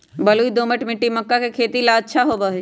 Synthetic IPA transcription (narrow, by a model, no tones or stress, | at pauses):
bɐluːid̪oːməʈmɪʈːimɐkːakekʰeːt̪ilaəːʃʰaɦoːʋəɦe